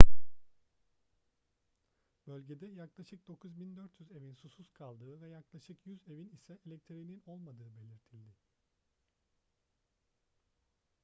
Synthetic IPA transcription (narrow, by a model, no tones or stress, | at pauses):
bø̞lʲɟe̞d̪ɛjaklˠaʃɯk̚d̪o̞kʰuzbind̪øɾt̪ʰjyze̞vinsususkʰalˠd̪ɯːvɛjaklˠaʃɯkjyze̞vinisɛʔelʲɛc̚t̪ʰiɾinino̞lˠmad̪ɯːbe̞lʲiɾt̪ʰilʲd̪ɪ